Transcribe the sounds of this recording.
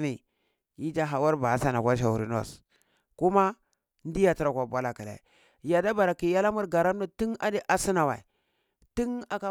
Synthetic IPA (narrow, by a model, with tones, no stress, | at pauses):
ni˨ | i˦d͡ʒa˦ɦa˨wa˦ɾba˨˦sa˦na˨kʷa˦ʃ̬a˨u˨ɾi˨no̰˦˨s | ku˦ma˦ | n˦di˦ja˨ti˦ɾa˨kʷa˨bʷa˦la˨ki˨la̰˨ | ja˨da˦ba˨ɾa˨ki˨ja˦la˦mu˦ɾɡa˨ɾa˦mna˦ti˦na˦di˦ʔa˦si˦na˨wa˨ | ti˦na˨ka˦